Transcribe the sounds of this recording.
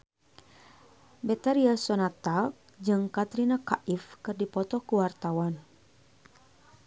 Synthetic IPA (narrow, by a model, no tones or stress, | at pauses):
bɛt̪aɾiasɔnat̪ak̚ | d͡ʒɨŋkat̪ɾinakaʔifkɨrdipɔt̪ɔkuwart̪awan